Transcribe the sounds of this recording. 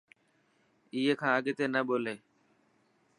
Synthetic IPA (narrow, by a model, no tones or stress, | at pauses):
iːɦekʰãːəɠet̪eːnəɓoːleː